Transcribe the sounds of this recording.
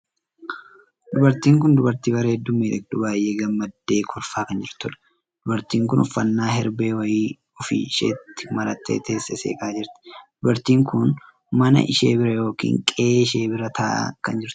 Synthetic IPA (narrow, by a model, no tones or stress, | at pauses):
d̪ʊbɐɾt̪iːŋk̬ʊnd̪ʊbɐɾt̪iːbɐɾeɛd̪ːʊmːiːᶑ̪ɛk̚d̪ʊbaːjːeːɡɐmːɐd̪ːe̞ːkʰɔɾfaːkɐnd͡ʒɪɾt̪ʊᶑɐ̥ | d̪̥ʊbɐɾt̪iːŋkʊnʊfːɐnːaːɦɛɾbe̞ːwɐjiː | ʊfɪ̰ʃḛːt̪ːɪ̥mɐɾɐt̪ːḛːt̪ʰeːsːɛsḛːkʼaːd͡ʒɪɾt̪ɪ̥d̪̥ʊbɐɾt̪iːŋkʊn | mɐnɐ̰ʔɪʃḛːbɪɾɐjo̞ːkḭːŋkʼe̞ːʃe̞ːbɪɾɐt̪ʰɐ̰ːkɐnd͡ʒɪɾt̪ɪ̥